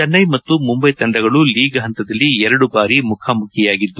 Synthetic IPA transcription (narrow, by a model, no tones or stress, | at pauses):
t͡ʃɐnːɐjmɐt̪ːumumbɐjt̪ɐɳɖɐɡɐɭuliːɡɐɦɐnt̪ɐd̪ɐlːiɛɾɐɽubaːɾimukʰaːmukʰjɐjaːɡid̪ːu